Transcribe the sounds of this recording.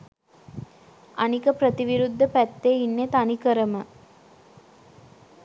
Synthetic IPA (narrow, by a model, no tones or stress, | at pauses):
anikəpɾət̪iʋiɾud̪ʱːəpæt̪ːeinːet̪anikəɾəmə